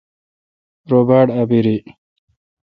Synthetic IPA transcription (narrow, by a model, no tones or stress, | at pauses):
ɾobaːɽabiɾi